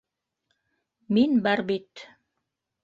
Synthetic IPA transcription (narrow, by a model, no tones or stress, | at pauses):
minbæɾbit̪